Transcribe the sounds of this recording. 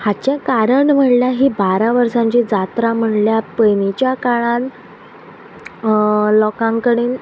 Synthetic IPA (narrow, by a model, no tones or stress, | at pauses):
hat͡ɕjakaɾəɳm̤əɽljaɦiːbaɾaʋəɾsãɲt͡ɕid͡zat̪ɾam̤əɳljapəjnit͡ɕjakaɭãn | lɔkãŋkəɽiːn